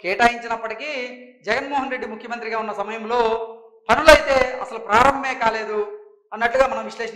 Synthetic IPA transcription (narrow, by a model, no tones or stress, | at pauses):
kɛːʈaːjiɲt͡ʃinɐpːɐʈikid͡ʒɛɡɐnmoːɦɐnɾe̞ɖːimukʰjɐmɐnt̪ɾiɡaːunːɐsɐmɐjɐmlo̞ː | pɐnulɐjt̪e̞ːɐsɐlupɾaːɾɐmbʱɐmeːkaːle̞ːd̪u | ɐnːɐʈluɡaːmɐnɐmʋiʂleːʂ